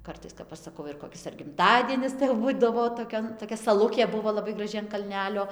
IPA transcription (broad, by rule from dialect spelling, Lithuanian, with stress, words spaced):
ˈkɐrtɐɪs kɐp ˈɐʃ sɐˈkɐʊ ɪr koːˈkʲɪs ɐr ɡʲɪmˈtɑːdʲiɛnʲɪs tɐɪ jɛʊ ˈbuːdɐʋoː toːˈkʲoːn toːˈkʲɛ sɐˈlˠʊkʲeː ˈbʊʋoː lˠɐˈbɐɪ ɡrɐˈʒʲɪ ɐn kɐlʲˈnʲæːlʲoː